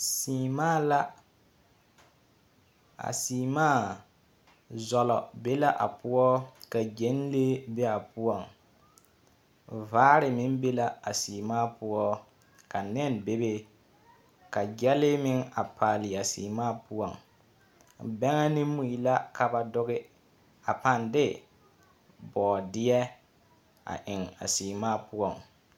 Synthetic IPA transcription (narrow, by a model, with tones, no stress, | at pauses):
siː˨maː˦la˦ | a̰˨siː˨maː˦˨ | zɔ˨lɔ̰˨be˦la˦ʔa̰˨pu˦ɔ˦ka˨d͡ʒe˦n˦le˦bɛ˦a˨pu˦ɔ˨ŋ | vaː˦ɾɪ˨mɪ˦nbe˦la˦a˨siː˨maː˦pʊ˦ɔ˦ | ka˨nɛ˦˨nbe˦be˦ | ka˨d͡ʒɛ˦lɪ˦mɪ˦ŋa˨pʰaː˨lɪ˨a˨siː˨maː˦pʊ˦ɔ˨ŋ˨ | bɛ˦ŋa˦nɪ˦mːu˦˨i˨la˦ka˨ba˨dʊ˦ɣɪ˦ | a˨pa˨ndɪ˦ | bɔː˨dɪ˦ɛ˦ | a̰˨ʔɪ˨ŋa̰˨siː˨maː˦pʊ˦ɔ˦˨ŋ